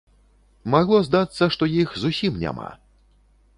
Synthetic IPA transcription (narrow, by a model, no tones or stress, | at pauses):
maɣlˠɔzd̪at̪sːɐʂt̪ɔjixzusʲimnʲa̰ma̰